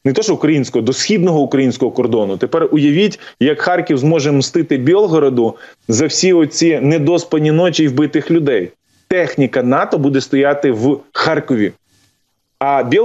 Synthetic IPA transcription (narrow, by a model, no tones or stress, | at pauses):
nɛt̪ɔʃʊkɾɐjinʲsʲkɔɦɔd̪ɔsxʲid̪nɔɦɔʊkɾɐjinʲsʲkɔɦɔkɔrd̪ɔnʊt̪epɛrʊjɐʋʲitʲjɐkxɑrkʲiwzmɔʒɛmst̪ɪt̪ɪbʲɛlˠɦɔɾɐd̪ʊzɐwsʲiɔt͡sʲinɛd̪ɔspɐnʲinɔt͡ʃiiwbɪt̪ɪxlʲʊd̪ɛj | t̪ɛxnʲikɐnɑt̪ɔbud̪ɛst̪ɔjɑt̪ɪwxɑrkɔʋʲḭ | ɐbʲi